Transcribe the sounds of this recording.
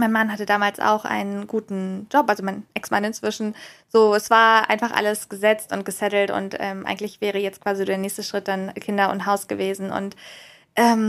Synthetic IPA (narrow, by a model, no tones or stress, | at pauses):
maɪnmanɦatədaːmaːlsʔa̰ʊxʔa̰ɪnənɡ̥uːtn̩d͡ʒɔpʔalzomaɪnʔɛksmanɪnt͡sv̥ɪʃn̩z̥oːɛsv̥aːɐʔa̰ɪnfaχʔa̰ləsɡ̥əzɛt͡stʊnt̚ɡ̥əsɛtl̩tʊ̰ntʔɛːmʔa̰ɪɡŋ̩tlɪçv̥ɛːʁ̞əjɛt͡st̚kv̥aːzizdeːɐnɛːçstəʃʁ̥ɪt̚d̥ankʰɪndɐʊ̰ntɦaʊsɡ̥əveːzn̩ʊ̰nt | ʔɛːm